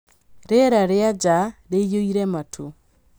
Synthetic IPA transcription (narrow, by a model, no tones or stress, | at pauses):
ɾeɾaɾead͡ʒaɾejoiɾɛmatʰo